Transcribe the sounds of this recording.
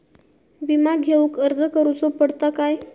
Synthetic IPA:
ʋimaɡʱeukəɾd͡zəkəɾut͡sopəɽt̪akaj

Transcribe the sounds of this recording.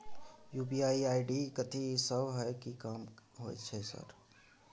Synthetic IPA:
juːbiaːiaːiɖikət̪ʰisəbɦɛkikaːmɦo̰ɛ̰t͡ʃʰɛsə̰ɾ

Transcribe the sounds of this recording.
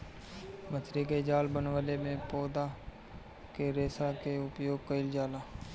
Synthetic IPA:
mət͡ʃɾiked͡ʒaːlbənwəlemẽpɔːd̪a | keɾeːsakeʊpjoːɡ̚kəɪld͡ʒaːlaː

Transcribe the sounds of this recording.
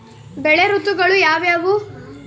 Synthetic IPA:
bɛɭeɾut̪ːuɡɐɭujaːʋjaːʋu

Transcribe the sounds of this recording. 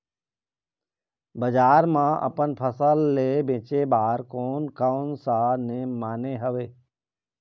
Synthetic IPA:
bəd͡ʒaːɾmãʔə̰pənpʰəsəlːeːbẽːt͡ʃebaːɾkoːnkaʊnsanẽmaːneɦəʋeː

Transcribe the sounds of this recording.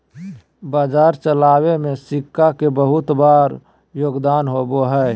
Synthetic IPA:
baːd͡ʒaːɾt͡ʃəlaːwemẽsɪkːakebəɦʊt̪baːɾ | joːɡd̪aːnɦoboɦɛː

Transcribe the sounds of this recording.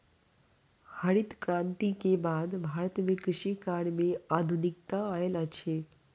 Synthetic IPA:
həɽit̪kɾãːnt̪ikebaːd̪bʱaːɾət̪mẽkɾɪʃikaːɽmeaːd̪ʱunik̚t̪aaelət͡ʃʰe

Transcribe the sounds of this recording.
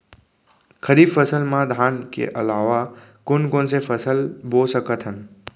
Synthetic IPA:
kʰəɾibfəsəlmãd̪ʱankḛʔəlaːʋakʊnkonsefəsəlbosəkət̪ʰɦən

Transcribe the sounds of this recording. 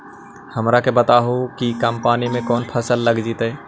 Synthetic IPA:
həmɾakebət̪aɦokikəmpaːnimẽkɔːnpʰəsəlːəɡd͡ʒit̪ɛː

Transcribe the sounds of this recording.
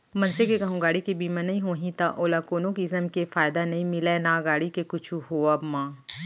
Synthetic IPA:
mɐ̃nsekekɐɦõɡaːɽikebiːmãnɐɦĩɦoːɦĩt̪aʔoːlaːkoːnõkiɪzəmkefaːjd̪anɐɦĩmɪlenaːɡaːɽikekʊt͡ʃʰuɦoːabmãː

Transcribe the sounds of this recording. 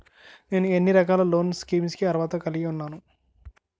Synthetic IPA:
ne̞ːnue̞nːiɾɐkaːlɐlo̞ːnskiːmskiɐɾʋaːt̪ɐkɐliɡiunːaːnu

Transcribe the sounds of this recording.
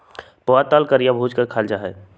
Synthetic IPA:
poʋat̪alkəɾijabʱuːd͡ʒkəɾkʰaːld͡ʒaɦɛː

